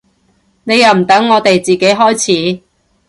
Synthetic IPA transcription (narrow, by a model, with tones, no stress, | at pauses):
ne˨˧jɐ˨wm̩˨˩t̪ɐ˨˥ŋːɔː˨˧t̪e˨jt͡siː˨ke˨˥jɦɔː˥jt͡sʰiː˨˥